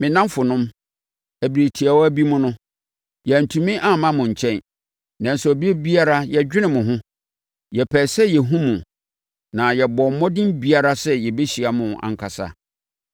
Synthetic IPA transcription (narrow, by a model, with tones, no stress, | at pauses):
mɪ̃˨nã˦mfʊ˨nʊ̃˦m | æ˨bi˨ɾe˨tʰi˨a˨wɔ˦æ˦bi˦mʊ̃˦nʊ̃˦ | jɛ˨n̩˨tʰũ˨mĩ˦ʔa˦˨mã˦mʊ̃˨ɲ̩˨t͡ɕʰɛ̃˦n | nã˨n˨sɛ˨bi˦e˦bi˦a˦ɾa˦jɛ˨d͡ʑᶣɪ˦nɪ̃˨mʊ̃˨ɦʊ̃˦ | jɛ˨pʰɛː˨sɛ˦jɛ˨ɦũ˦mũ˨ | nã˨jɛ˨bɔ˨m̩˦mɔ̃˦dɪ̃˦mbi˦a˦ɾa˦sɛ˦jɛ˨be˦ɕi˨a˨mʊ̃˨ã̰˨ŋ̩˦˨kʰa˨sa̰˨